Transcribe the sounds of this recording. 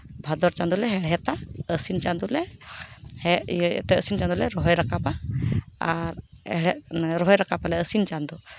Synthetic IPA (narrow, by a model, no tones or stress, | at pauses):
bʱad̪ɔɾt͡ʃand̪ulɛɦɛɽɛt̪aəsint͡ʃand̪ulɛ | hɛɛ̰t̪ɛəsint͡ʃand̪ulɛɾɔɦɔjɾakapa | aɾɛɽɛɾɔɦɔjɾakapalɛəsint͡ʃand̪u